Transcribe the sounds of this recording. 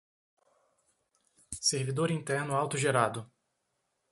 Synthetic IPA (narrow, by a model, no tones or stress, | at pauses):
seɾvid̪oɾĩnt̪ɛɾnʊawt̪ʊʒeɾad̪ʊ